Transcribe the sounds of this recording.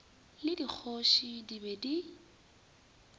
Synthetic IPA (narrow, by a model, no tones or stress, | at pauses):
lɪdik͡xʰoʃidibedi